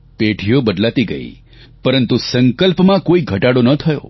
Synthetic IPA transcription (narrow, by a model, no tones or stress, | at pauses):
peʈʰijobəd̪lat̪iɡə̰ḭ | pəɾənt̪usəŋkəlpmãkoiɡʱəʈaɽonət̪ʰəjo̰